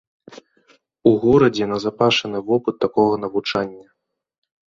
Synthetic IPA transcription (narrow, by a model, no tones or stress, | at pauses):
uɣɔɾɐd͡zʲɛnɐzapaʂɐnɨvɔpɨt̪ːakɔɣɐnɐvut͡ʂanʲːɐ